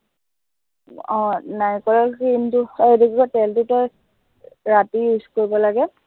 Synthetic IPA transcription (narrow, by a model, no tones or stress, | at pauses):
ɔ̃najkɔlakintʊedikikɔtɛltutɔ | ɹatiuskoɹibɔlaɡɛ